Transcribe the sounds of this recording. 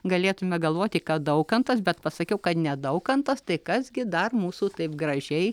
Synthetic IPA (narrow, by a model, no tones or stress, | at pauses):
ɡɐlʲeːt̪ʊmʲɛɡɐlˠʋoːt̪ʲɪkɑːd̪ɐʊkɐnt̪ɐs̬bʲɛt̪pɐsɐkʲɛʊkɐt̪nʲɛd̪ɐʊkɐnt̪ɐst̪ɐɪkɐsɡʲɪd̪ɐrmuːsuːt̪ɐɪp̚ɡrɐʒʲɛɪ